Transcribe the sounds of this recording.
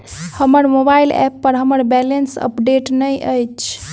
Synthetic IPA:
həməɾmobailɛ̰pːəɾɦəməɾbɛlensə̰pɖeʈnəjʔəjt͡ʃʰ

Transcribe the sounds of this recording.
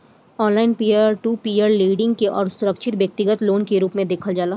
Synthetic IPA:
ɔ̃ːnlaːɪnpiːaːɾʈuːpiːaːɾliːɖɪ̃ŋɡkeʔɔːɾsʊɾəkʃɪt̪ʋjɐk̚t̪ɪɡət̪loːnkeɾuːpmẽd̪eːkʰəld͡ʒaːlaː

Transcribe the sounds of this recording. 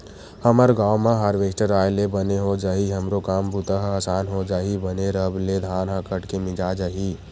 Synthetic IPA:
həməɾɡaːwmãɦaːɾʋeːsʈəɾaːjlebəneɦod͡ʒaːɦiɦəmɾokaːmbʊt̪əɦaːsaːnɦod͡ʒaːɦibəneɾəbled̪ʱaːnɦãkəʈkemɪd͡ʒaːd͡ʒaɦiː

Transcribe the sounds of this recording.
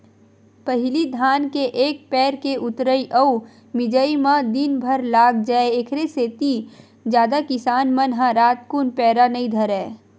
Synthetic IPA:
pəɦɪlid̪ʱaːnkeʔeːk̚pɛːɾkeʔʊt̪ɾəiʔə | mɪd͡ʒəimãd̪inbʱəɾlaːɡd͡ʒaeekʰɾeset̪i | d͡ʒjaːd̪akɪsaːnmənɦãɾaːt̪kunpɛːɾanəĩd̪ʱəɾɛː

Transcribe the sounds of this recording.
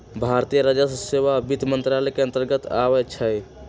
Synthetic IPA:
bʱaɾt̪ijəɾəd͡ʒəsseʋabit̪mənt̪ɾalɛkeənt̪əɾɡət̪awɛt͡ʃʰəj

